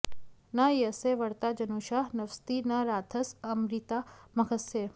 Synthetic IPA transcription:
najəseʋəɽt̪ad͡ʒɐnuːʃaɦnɐʋst̪inɐɾaːt̪ʰəsəmɾit̪amɐkəse

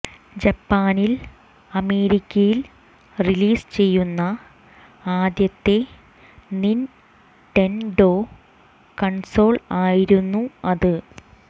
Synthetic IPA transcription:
d͡ʑɐpːaːnil | ɐme̞ːɾikʲːɐjil | riliːst͡ɕe̞jːunːɐ | aːd̪jɐt̪ːe̞ | nin | ʈenɖo̞ː | kɐɳso̞ːɭaːjiɾunːuɐðɨ

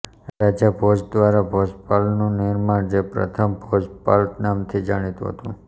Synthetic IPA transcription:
ɾad͡ʒabʱod͡ʒd̪ʋaɾabʱɔspalnũnɪɾmaɳd͡ʒepɾə̰t̪ʰəmbʱod͡ʒpalt̪namt̪ʰid͡ʒaɽ̃it̪ṵ̃ɦə̰t̪ũ

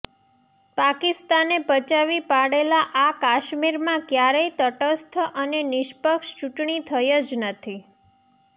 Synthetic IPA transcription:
pakɪst̪anepət͡ʃaʋipaɽelaʔakaʃmiɾmãkjaɾəit̪əʈəst̪ʰʔənenɪʃpəkʃt͡ʃuʈɳit̪ʰəjod͡ʒnət̪ʰi

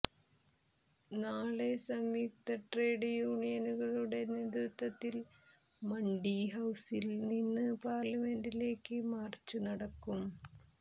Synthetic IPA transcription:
naːɭesɐmjuk̚t̪ɐʈre̞ːɖjuːɳijɐnuɣɐɭuɽe̞neːd̪rut̪ːɐt̪ːil | mɐɳɖiɦɐwsilninːɨpaːrlɐme̞ndile̞ːkːɨmaːrt͡ɕːɨnɐɽɐkːum

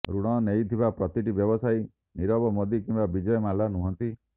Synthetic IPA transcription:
ɾuɽ̃ɔnejt̪ʰibapɾɔt̪iʈibjɔbɔsaj | niɾɔbɔmɔd̪ikimbabid͡ʒɔjɔmalanuɦɔnt̪i

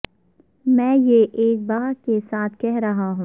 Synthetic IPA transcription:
mɛ̃ːjeʔeːk̚baːkesaːt̪ʰkɛɦɾɐɦaɦũː

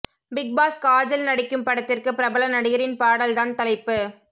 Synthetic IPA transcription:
bɪk̚baːskaːd͡ʒɐlnɐɽɪkːɯmpɐɽɐt̪ːɪrkɯpɪɾɐbɐlɐnɐɽɪɣɐɾɪnpaːɽɐlt̪aːnt̪ɐlɐɪpːɯ

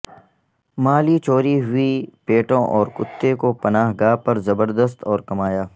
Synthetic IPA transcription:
maːlit͡ʃoːɾiɦʊipeːʈõʔɔːɾkʊt̪ːekopɐnaːɦɡaːɦpɐɾzɐbəɾd̪əs̬t̪ɔːɾkɐmaːjaː

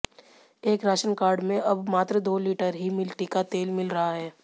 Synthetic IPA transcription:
eːkɾaːʃənkaːɾɖmẽʔɐbmaːt̪ɾəd̪oːliːʈəɾɦimɪlʈikat̪eːlmɪlɾɐɦaɦɛː

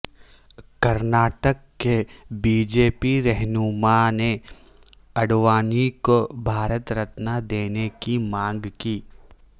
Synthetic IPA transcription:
kɐɾnaːʈəkːebiːd͡ʒeːpiɾɛɦnumane | ɐɽʋaːnikobʱaːɾət̪ɾɐt̪nad̪eːnekimãːŋɡkiː

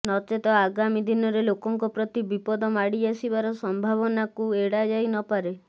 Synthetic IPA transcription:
nɔt͡ʃet̪ɔaɡamid̪inɔɾelokɔŋkɔpɾɔt̪ibipɔd̪ɔmaɽiasibaɾɔsɔmbʱaβɔnakueɽad͡ʒajnɔpaɾe

